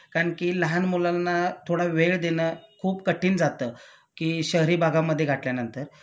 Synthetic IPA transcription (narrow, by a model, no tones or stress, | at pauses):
kaɳkiːləɦanmulanːat̪ʰoɽaʋeɭd̪enəkʰuːpkəʈʰiːnd͡zat̪ə | kiːɕəɦɾiːbʱaɡamːəd̪ʱːjeɡʱaʈljanənt̪əɾ